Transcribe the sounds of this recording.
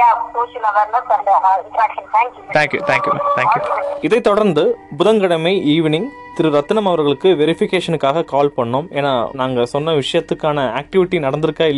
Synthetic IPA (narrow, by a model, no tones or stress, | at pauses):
apoːʃɪlɐʋɐɾlɐsɐnɖɐaat̪ʰaːŋkjt̪ʰaːŋkjṵt̪ʰaːŋkjum̰t̪ʰaːŋkjuɪðɐɪt̪ːɔɽɐɾnd̪ɯbʊðɐŋɡɐɽɐmɐɪiːʋɪnɪŋ | t̪ɪɾɯɾɐt̪ːɯnɐmɐʋɐɾɣɐɭɯkːɯʋɛɾɪfɪkeːʂɐnɯkːaːɣɐkaːlpɐɳːomḛːnaːnaːŋɡɐsɔnːɐʋɪʂɐjɐt̪ːɯkːaːnɐaːk̚ʈɪʋɪʈːinɐɽɐnd̪ɯɾɯkːaːɪlː